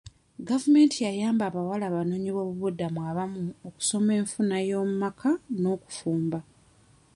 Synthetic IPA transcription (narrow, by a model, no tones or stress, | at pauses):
ɡavume̞ːntʰijajaːmbaːβawalaːβano̞ːɲiβo̞ːβuβudːamuaβamuoku̥so̞me̞ːɱfunajo̞ːmumakʰano̞ːku̥fuːmba